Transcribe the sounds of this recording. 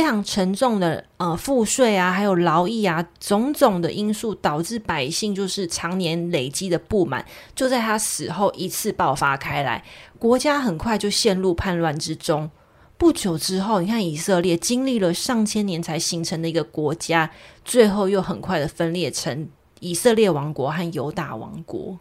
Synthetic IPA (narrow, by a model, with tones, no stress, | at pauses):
fe˥ɪʈ͡ʂʰɑ˧˥ŋʈ͡ʂʰə˧˥ŋʈ͡ʂʊ˥˩ŋd̪ə˨˩ə˨fu˥˧ʂwe˥˩ɪa˩xa˧˥ɪjo˨˩ʊlɑ˧˥ʊi˥˩a˨˩t͡sʊ˧˥ŋt͡sʊ˨˩ŋd̪ə˨ʔi˥nsu˥˩t̪ɑ˨˩ʊʈ͡ʂɻ̩˥˩pa˨˩ɪɕi˥˧ŋt͡ɕjo˥˧ʊʂɻ̩˥˩ʈ͡ʂʰɑ˧˥ŋnjɛ˧˦nle˨˩ɪt͡ɕi˦˥d̪ə˨pu˥˩ma̰˨˩˦n | t͡ɕjo˥˧ʊt͡sa˥˩ɪt̪ʰa˥sɹ̩˨˩xo˥˩ʊʔi˧˥t͡s̩ʰ˥˧pɑ˥˩ʊfa˦kʰa˥ɪla̰˧˦ɪkwɔ˧˥t͡ɕja˦˥xə˨˩nkʰwa˥˧ɪt͡ɕjo˥˧ʊɕjɛ˥˧nlu˥˧pʰa˥˧nlwa˥˩nʈ͡ʂɻ̩˦ʈ͡ʂo˦˥ŋ | pu˥˩t͡ɕjo˨˩ʊʈ͡ʂɻ̩˦˥xo˥˩ʊni˨˩kʰa˥˩ni˨˩sɤ˥˧ljɛ˥˩t͡ɕi˥ŋli˥˩lə˩ʂɑ˥˩ŋt͡ɕʰjɛ˥njɛ˧˥nt͡sʰa˧˥ɪɕi˧˥ŋʈ͡ʂʰə˧˥ŋd̪ə˨i˧˦ɡə˨kwɔ˧˥t͡ɕja˥t͡swe˥˧ɪxo˥˧ʊjo˥˩ʊxə˨˩nkʰwa˥˩ɪd̪ə˩fə˥nljɛ˥˩ʈ͡ʂʰə˧˦ŋ | i˨˩sɤ˥˧ljɛ˥˩wɑ˧˥ŋkwɔ˧˥xa˥˩njo˧˥ʊt̪a̰˥˩wɑ̰˧˥ŋkwɔ̰˧˦